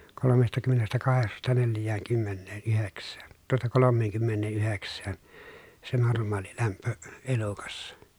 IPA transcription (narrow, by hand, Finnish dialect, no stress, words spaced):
kolomestɑkymːenestækɑheksɑstɑ neljˑæːŋkymːenːeːnyheksˑæːn tuotɑ kolomːeːŋkymːenːeːʔyheksˑæːn se normˑɑːlilæmpø elukɑsːɑ